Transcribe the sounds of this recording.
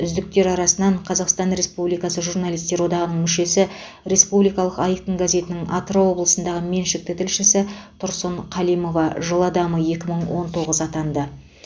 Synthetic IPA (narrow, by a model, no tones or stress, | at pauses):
ʏzd̪ɪk̚t̪e̞ɾɑɾɑsənɑɴqʰɑzɑqst̪ɑnɾe̞spublijkɑsəʒurnɑlˠijst̪e̞ɾwo̞d̪ɑʁənəɴmʏʃe̞sɪ | ɾe̞spublijkɑlˠəqɑjt̪əŋɡaze̞t̪ɪnɪŋʔɑt̪ɾawo̞blˠəsənd̪ɑʁəme̞nʃɪk̚t̪ɪt̪ʰɪlʃɪsɪt̪ʰʊɾsoɴqʰɑlˠijmo̞vɑʒəlˠɑd̪ɑməje̞kʲɪməɴwo̞nt̪ʰo̞ʁəzɑt̪ɑnd̪ə